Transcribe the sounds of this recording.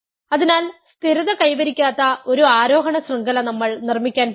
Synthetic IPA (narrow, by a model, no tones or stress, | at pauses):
ɐðinaːlst̪iɾuðɐkɐjʋɐɾikʲːaːt̪ːɐo̞ɾuaːɾo̞ːɦɐɳɐsrɐŋɡɐlɐnɐmːɐɭnirmikʲːaːn